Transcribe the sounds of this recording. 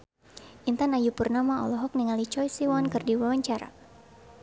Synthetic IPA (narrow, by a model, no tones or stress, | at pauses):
ʔint̪anajupurnamaɔ̰lɔɦɔk̚niŋalit͡ʃɔjsiwankɨrdiwawaɲt͡ʃaɾa̰